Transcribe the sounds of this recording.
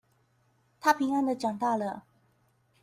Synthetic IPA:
t̪ʰa˥˩pʰi˧˥ŋa˥nd̪ə˨t͡ɕjɑ˨˩ŋt̪a˥˩lə˨˩

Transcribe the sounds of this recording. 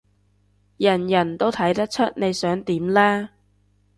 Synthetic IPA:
jɐ˨˩njɐ˨˩nt̪o˥wt̪ʰɐ˨˥jt̪ɐ˥k̚t͡ʃʰɵ˥t̚ne˨˧jsœː˨˥ŋt̪iː˨˥mlɛː˥

